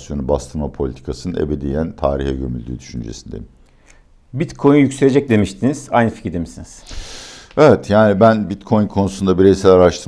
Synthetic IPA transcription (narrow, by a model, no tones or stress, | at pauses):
sjonubast̪ʰɯɾmapʰo̞lʲit̪ʰi̥kʰasɯnɯnʔḛbed̪ijænt̪ʰa̰ːɾiçɛɟømy̰lʲd̪y̰ːd̪yʃynd͡ʒḛsind̪ḛ | bit̪kʰo̞j̪jycselʲe̞d͡ʒɛc̚d̪e̞miʃt̪ʰiniz̥ajnɯfi̥cʰɾid̪emisiniz̥ | evɛt̪ʰjaːnibænbit̪kʰo̞jnkʰo̞nusund̪abiɾejsælʲaɾaʃt̪ʰɯɾ